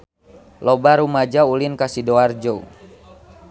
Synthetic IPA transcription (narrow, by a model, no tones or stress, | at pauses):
lɔbaɾumad͡ʒaulinkasidoard͡ʒou